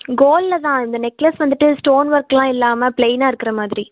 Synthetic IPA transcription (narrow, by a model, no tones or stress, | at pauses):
ɡoːllɐt̪ãːɪnd̪ɐnɛkːlɐsʋɐnd̪ɯʈːɯsʈoːnʋɐɾklãːɪlːaːmɐplejnaːɪɾɯkːɪɾɐmaːðɪɾi